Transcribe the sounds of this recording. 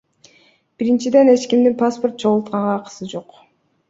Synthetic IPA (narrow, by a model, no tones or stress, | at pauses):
b̥iɾint͡ʃid̪e̞ne̞t͡ʃkimd̪inpʰaspo̞rt̪̚t͡ʃʰo̞ʁulˠt̪̚qɑɴʁɑːqɯ̥sɯd͡ʒo̞q